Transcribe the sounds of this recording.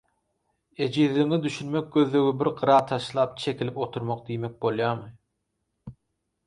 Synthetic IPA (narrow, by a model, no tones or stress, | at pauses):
e̞d͡ʒiðliŋid̪yʃynme̞k̚ɡø̞ðlø̞ɣibiɾqɯɾɑːt̪ʰɑʃlˠɑːp̚t͡ʃʰe̞kʰʲilipot̪ʰuɾmoq̚d̪ijmek̚bo̞lˠjɑːmɯ